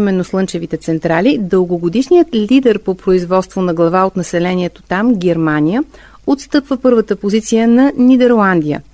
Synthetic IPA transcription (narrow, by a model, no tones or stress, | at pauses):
imɛnːoslˠɤnt͡ʃɛvit̪ɛt̪sɛnt̪ɾalid̪ɤlˠɡoɡod̪iʃnijət̪lʲid̪ɛɾpopɾoizvɔt̪st̪vonɐɡlˠɐvaot̪nɐsɛlɛniɛt̪ot̪amɡʲɛɾmanʲijə | ot̪st̪ɤpvəpɤɾvət̪əpozit̪sijənɐnid̪ɛɾlˠand̪ijə̰